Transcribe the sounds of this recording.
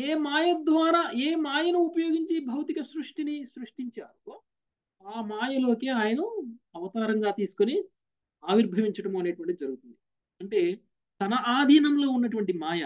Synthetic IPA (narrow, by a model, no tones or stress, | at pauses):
eːmaːjɐd̪ʋaːnɐeːmaːjɐnuupɐjo̞ːɡiɲt͡ʃibʱɐwt̪ikɐsɾuʂʈinisɾuʂʈiɲt͡ʃa̰ːɾu | aːmaːjɐlo̞ːkeːaːjɐnɐɐʋɐt̪aːɾɐŋɡaːt̪iːsu̥koni | aːʋiɾbʱɐʋiɲt͡ʃɐʈɐmuɐneːʈuʋɐɳʈid̪id͡ʒɐɾuɡut̪und̪i | ɐɳʈe̞ː | t̪ɐnɐʔaːd̪ʱiːnɐmlo̞ːunːɐʈuʋɐɳʈimaːjɐ